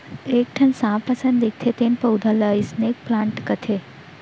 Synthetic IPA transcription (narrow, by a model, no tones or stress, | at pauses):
eːk̚ʈʰɐnsãːpɐsə̃nd̪ik̚t̪ʰet̪eːnpɐʊd̪ʱalaisneːk̚plãːɳʈkɐt̪ʰe